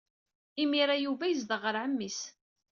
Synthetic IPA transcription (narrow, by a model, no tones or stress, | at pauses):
imiɾajuvæjəzd̪əʁəɾʕəmːis